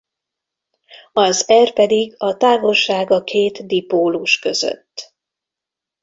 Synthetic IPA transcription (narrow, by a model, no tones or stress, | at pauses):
ɒzɛrpɛd̪iɡɒt̪aːvo̞lʃaːɡɒkʰeːt̪d̪ipoːluʃkø̞zø̰t̪ː